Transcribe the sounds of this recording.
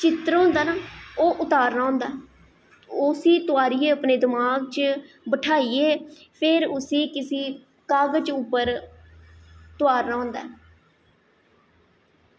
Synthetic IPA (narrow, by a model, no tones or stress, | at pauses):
t͡ʃɪt̪ɾɦõːnd̪aːnaːoːʔʊt̪aːɾnaːɦõːnd̪aː | ʊsĩːt̪ʊaːɾiːeːəpneːd̪ɪmaːɡt͡ʃ | bəʈʰaːiːeː | pʰeɾʊsĩːkɪsiː | kaːɡt͡ʃʊpːəɾ | t̪ʊaːɾnaːɦõːnd̪aː